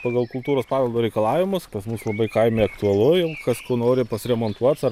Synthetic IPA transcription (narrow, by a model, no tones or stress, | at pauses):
pɐɡɐlˠkʊlˠt̪uːɾoːspɑːɡʲɐlˠd̪oːɾʲɛɪkɐlˠɑːʋʲɪmʊspɐsmuslˠɐbɐɪkɐɪmʲeːɐkt̪ʊɐlˠʊjɛʊkɐskoʊnoːɾʲɪpɐsʲɾʲɛmoːnt̪uɔt̪sɐ